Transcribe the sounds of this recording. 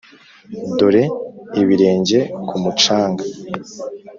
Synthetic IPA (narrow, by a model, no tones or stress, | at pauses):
doɾe̞iβiɾe̞ːɲɟe̞kʰumut͡ʃaːŋɡa